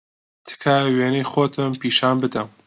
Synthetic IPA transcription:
t̪ʰɨ̥kʰaweːnejxoːt̪ʰɨmpiːʃaːnbɨd̪ɐm

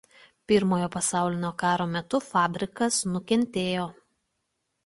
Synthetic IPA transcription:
pʲɪɾmoːjoːpɐsɑˑʊlʲɪnʲoːkɑːɾoːmʲɛt̪ʊfɑːbʲɾʲɪkɐsnʊkʲɛnʲt̪ʲeːjoː

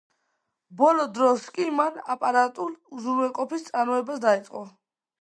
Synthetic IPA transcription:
bɔlɔd̪ɾɔskʼimanapʼaɾat̪ʼuluzuɾwɛqʼɔpʰist̪sʼaɾmɔɛbasd̪ait̪sʼqʼɔ

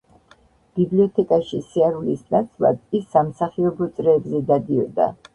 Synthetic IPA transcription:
b̥ibliɔt̪ʰɛkʼaʃisiaɾulisnat̪sʰlˠa̰d̪isːamsaχiɔbɔt̪sʼɾɛːbzɛd̪ad̪iɔd̪a̰

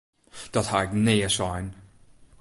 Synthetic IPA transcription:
d̥ɔthaɛkneːəsɔjn

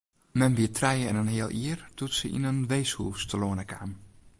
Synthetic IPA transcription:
mɛnʋiətʰrɛjəɛ̰nənɦɪəlˠʔiərdutsəʔḭnənʋejshuːstəloənəkʰa̰ːm

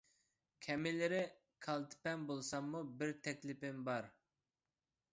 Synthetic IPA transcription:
kʲʰɛmɪlɪɾɪ | kʰɑlˠt̪ʰɪ̥pɛnbolˠsɑmːubɪɾt̪ʰɛkʲlɪpɪmbɑɾ

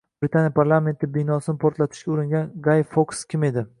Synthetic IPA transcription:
bɾɪt̪ʰanjapʰaɾlˠame̞nt̪ʰɪbɪnɒsɪnɪpʰoɾt̪lat̪ʰɪ̥ʃkʲaʊɾɪŋɡʲanɡajfokskʲʰɪme̞d̪ɪ

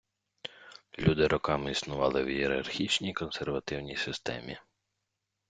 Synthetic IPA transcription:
lʲud̪ɪɾɔkɑmɪisnʊʋɑlˠɪwjieɾɐ̰rxʲit͡ʃnʲijkɔnserʋɐt̪ɪwnʲijsɪst̪ɛ̰mʲḭ

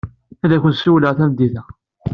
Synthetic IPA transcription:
æðæçʷənsuwləʁθæmd̪ːiθæ

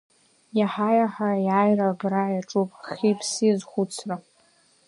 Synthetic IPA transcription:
jaħajaħajajrabrajaʈ͡ʂʼupʼχʲipʰsizχʷʊt͡sʰra

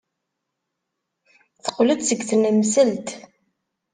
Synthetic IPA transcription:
θə̥qːləd̪səɡθənæmsælt̪

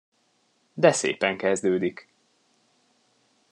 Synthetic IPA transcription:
d̪ɛsḛːpɛŋkɛzd̪øːd̪ik

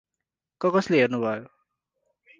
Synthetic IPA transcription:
kʌkʌsleɦernubʱʌjo

